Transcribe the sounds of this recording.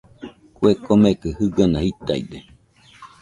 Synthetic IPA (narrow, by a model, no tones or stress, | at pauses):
kwekomekɨhɨɡanahit̪a̰ḭd̪e